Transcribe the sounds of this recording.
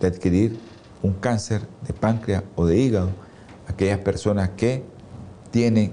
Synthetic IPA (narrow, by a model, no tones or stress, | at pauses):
d̪̥eaðkiɾiɾ | uŋkanseɾd̪epaŋkɾeaoðeiɣaðo | akeʝaspeɾsonaske | t̪jeneŋ